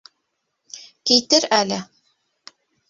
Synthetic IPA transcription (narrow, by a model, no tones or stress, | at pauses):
kijt̪ɘɾælɘ